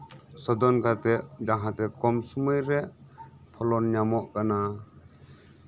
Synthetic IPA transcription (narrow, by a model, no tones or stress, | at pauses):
sɔd̪ɔnɡat̪ɛʔd͡ʒaɦat̪ɛkɔmsuməjɾɛ | pʰɔlɔnɲamɔʔkana